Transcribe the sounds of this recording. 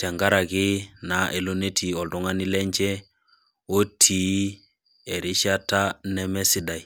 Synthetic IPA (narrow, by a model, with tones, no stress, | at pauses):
tɛ˨ŋɡa˦ɾa˨ɡɪ˦na˨ʔe˨lo˦ne˦tʰi˨ɔ˨ldɔ˦ŋa˦nɪ˦lɛ˦ɲd͡ʒɛ˦ | o˦tʰi˨˦ | ɛ˨ɾɪ˦ʃa˦ta˦nɛ˦mɛ˦si˦da˨j